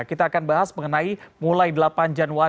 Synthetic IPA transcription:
kit̪aːkanbaɦasməŋənaimulajdəlapand͡ʒanwa

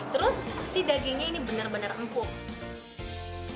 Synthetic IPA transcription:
t̪əɾʊsaksidaɡiɲainibənərbənərəmpʊŋ

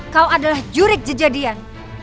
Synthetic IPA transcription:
kawadalahd͡ʒuɾɪk̚d͡ʒəd͡ʒadian

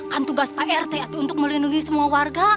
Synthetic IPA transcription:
kant̪uɡaspaʔɛrt̪eat̪uːnt̪ʊk̚məlinduŋisəmuawarɡa

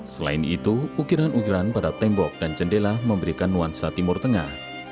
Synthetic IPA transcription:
səla̰ɪnḭt̪uːkiɾanʔukiɾanpadat̪ɛmbɔk̚d̥ant͡ʃəndelahməmbəɾikanːuansat̪imʊrt̪əŋah

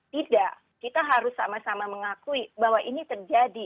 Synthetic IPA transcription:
t̪idaʔ | kit̪aɦaɾʊsːamasamaməŋakuibaɦwaʔinit̪ərd͡ʒadi

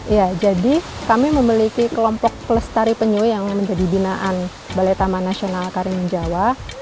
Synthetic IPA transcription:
ijad͡ʒadikamiməmilikikəlɔmpɔk̚pələst̪aɾipəɲuijaŋməɲd͡ʒadibinaʔan | balet̪amanasionalkaɾiŋməɲd͡ʒawa

